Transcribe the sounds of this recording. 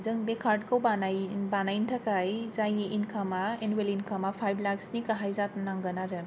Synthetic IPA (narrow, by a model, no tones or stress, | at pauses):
zɯŋbekʰaɾd̚kʰawbanabanajntʰakajzajeʔinkʰamaenwelinkʰamapʰajblaksnikaɦajzat̚naŋɡanaɾɯ